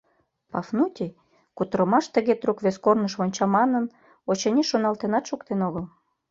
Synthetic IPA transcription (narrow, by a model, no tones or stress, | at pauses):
pɑfnutʲi | kut̪ɾəmɑʃt̪əɣet̪rukβeskornəʃβonʲt͡ɕɑmɑnən | ot͡ɕɤ̆nʲiʃonɑlt̪enɑt̪ʃukt̪enoɣəl